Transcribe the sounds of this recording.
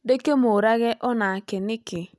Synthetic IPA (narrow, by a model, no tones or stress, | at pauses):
dekemoɾaɣɛʔɔnakenɪkɪ